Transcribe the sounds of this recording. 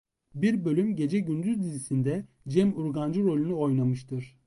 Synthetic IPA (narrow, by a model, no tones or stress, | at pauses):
biɾbø̞lʲymɟe̞d͡ʒɛɟynd̪yzd̪izisind̪ɛ | d͡ʒɛmuɾɡand͡ʒɯɾo̞lʲynyo̞jnamɯʃt̪ʰɯɾ̥